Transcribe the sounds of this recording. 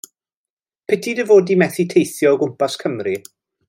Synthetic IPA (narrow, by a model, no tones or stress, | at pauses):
pʰɛtʰidəvoːdimɛθitʰejθjɔːɡʊmpaskʰəmri